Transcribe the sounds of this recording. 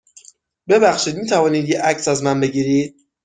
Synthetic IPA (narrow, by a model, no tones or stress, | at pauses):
be̞bæxʃiːd̪miːt̪ʰævɒːniːd̪jeʔæcsæzmænbe̞ɡiːɾiːd̪̥̚